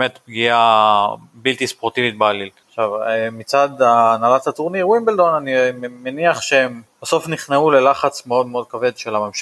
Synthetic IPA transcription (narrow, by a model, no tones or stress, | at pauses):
met̪pɡia | bilt̪ispoʁt̪ivit̪̚bealilχʃavemit͡sad̪aːnalatat̪uʁniwimbeldo̞nanimeniaχʃeemb̥aso̞fniχneule̞laχat͡sme̞o̞d̪meo̞d̪̚kave̞d̪ʃelamamʃ